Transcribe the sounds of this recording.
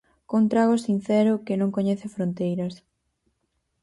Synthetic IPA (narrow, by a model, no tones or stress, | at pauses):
kont̪ɾaɣosin̟θɛɾʊkɪnõŋkoɲɛθɪfɾont̪ejɾɐs